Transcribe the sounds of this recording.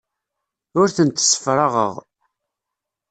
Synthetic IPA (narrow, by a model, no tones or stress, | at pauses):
ʊɾθənt̪ːsːə̥fɾˤɑʁə̰ʁ